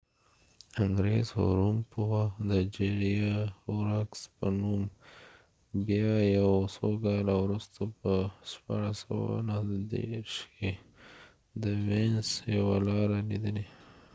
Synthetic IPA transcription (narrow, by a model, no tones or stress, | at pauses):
aŋɡɾezho̰ɾumpuwad̪əd͡ʒeɾijauɾakspənum | bjɑjawsoɡɑlawɾust̪opəʃpɑ̰ɽasa̰wa̰nad̪ḛʃke | d̪əwensjawalɑɾanid̪əle